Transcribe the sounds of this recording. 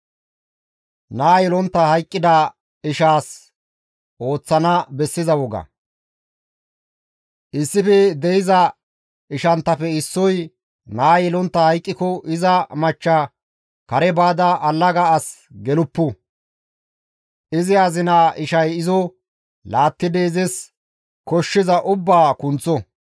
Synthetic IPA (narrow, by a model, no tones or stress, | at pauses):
naːjɛlɔnt̪ːɐhɐjkʼːɪd̪ɐ | ɪʃaːs | o̞ːt͡sːɐnɐbɛsːɪzɐwɔɡɐ̰ | ʔɪsːɪfɛd̪ɛjɪzɐ | ɪʃɐnt̪ːɐfɛɪsːɔj | naːjɛlɔnt̪ːɐhɐjkʼːɪkɔʔɪzɐmɐt͡ʃːɐ | kɐɾɛbaːd̪ɐʔɐlːɐɡɐːs | ɡɛlʊpːʊ | ʔɪzɪɐzɪnaːʔɪʃɐjɪzɔ | laːt̪ːɪd̪eːzɛs | kɔʃːɪzɐʔʊbːaːkʊnt͡sːɔ